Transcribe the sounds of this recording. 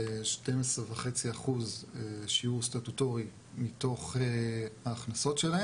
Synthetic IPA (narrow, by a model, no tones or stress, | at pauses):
ʃtemesʁeveχet͡siaχuzeʃiuʁstatuto̞ʁi | mito̞χehaːχnaso̞tʃelae